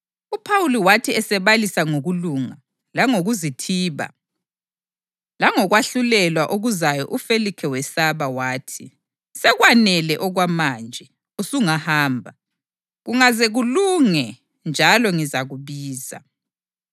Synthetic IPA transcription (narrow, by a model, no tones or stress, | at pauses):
upʰawuliwatʰiɛsɛβalisaŋoɣuluŋa | laŋoɣuzitʰiːβa̰ | laŋɔɣwaɬulɛlwaʔoɣuzajɔʔufelikʰɛwɛsaβawaːtʰi | sɛɣwanɛlɛʔɔɣwamaːnd͡ʒʱɛ | usuŋahaːmbʱa | ɣuŋazɛɣuluŋɛ | nd͡ʒʱalɔŋizaɣuβiːza̰